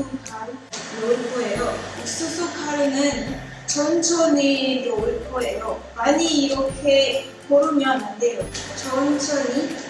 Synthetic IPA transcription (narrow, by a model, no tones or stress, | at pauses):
kʰaɾuɾoɭpoejous͈ʰɯs͈ʰokʰaɾɯnɯn | t͡ɕʌnt͡ɕʰʌniɾoɭkoe̞jomaɲiːɾʌkʰe | poɾumjʌɦanɯnde̞jot͡ɕʌnt͡ɕʰʌɲi